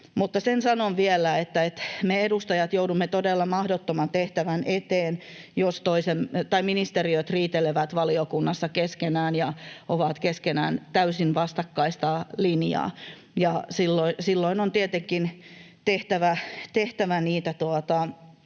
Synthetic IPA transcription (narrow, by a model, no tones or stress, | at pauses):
mut̪ːɑsensɑnonʋielæet̪ːæet̪meedust̪ɑjɑt̪joudumːet̪odelːɑmɑhdot̪ːomɑnt̪eht̪æʋænʔet̪eːn | jost̪oisemt̪ɑiminist̪eriøt̪riːt̪eleʋæt̪ʋɑliokunːɑsːɑkeskenæːnjɑʔoʋɑt̪keskenæ̰ːnt̪æysinʋɑst̪ɑkːɑist̪ɑlinjɑ̰ː | jɑsilːoisilːoinont̪iet̪eŋkin | t̪eht̪æʋæt̪eht̪æʋæniːt̪æt̪uot̪ɑ